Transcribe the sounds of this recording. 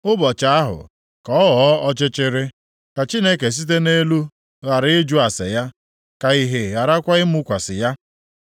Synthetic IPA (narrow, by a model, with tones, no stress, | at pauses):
ʊ˦bɔ˨t͡ʃa˦a˦ɦʊ̰˨ | kɔ˨˦ɔ˦wɔ˨˦ɔ˦t͡ʃɪ˦t͡ʃɪ˦ɾɪ˦ | ka˨t͡ʃi˦ne˦ke˨s̬i˦t̬e˦ne˦lu˦ | ɣa˨ɾɪ˦ɪ˦d͡ʒu˦a˨sɪ̰˨ja˦ | ka˨i˦˨ɦe˨ɣa˨ɾa˦kʷa˦ɪ˦mʊ˦kʷa˨sɪ˨ja˦